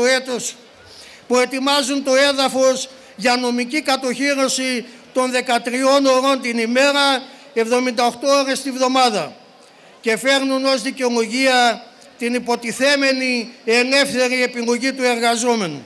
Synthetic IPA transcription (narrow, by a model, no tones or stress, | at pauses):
oet̪os | pue̞t̪imɐzunt̪o̞e̞ðɐfo̞z | ʝɐno̞micikɐt̪o̞çiɾo̞sit̪o̞nðe̞kɐt̪ɾio̞no̞ɾo̞nt̪inime̞ɾɐ | e̞vðo̞mind̪ɐoxt̪o̞oɾe̞st̪ivðo̞mɐðɐ | ce̞fe̞ɾnuno̞zðice̞oloʝiɐ | t̪inipo̞t̪iθe̞me̞nie̞ne̞fθe̞ɾie̞piŋoʝit̪ue̞ɾɣɐzo̞me̞nu